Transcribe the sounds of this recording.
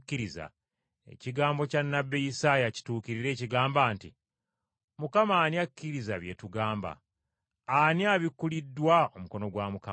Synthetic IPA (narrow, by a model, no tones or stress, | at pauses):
kːiɾiza̰ | e̞̰ciɡaːmbo̞canːabːe̞jisaːjaci̥tuːkiɾiɾe̞ːciɡaːmbaːnti | mukamaːniakːiɾizaβje̞tuɡaːmba̰ | aniaβikːulidːwao̞muko̞no̞ɡwamuka